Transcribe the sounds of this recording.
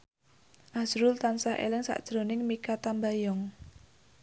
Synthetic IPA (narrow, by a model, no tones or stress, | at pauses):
ʔasɾʊlt̪ansaɦʔḛlɪŋsa̰ʔd̥ʒ̥ɾo̤nɪŋmikat̪ambajɔŋ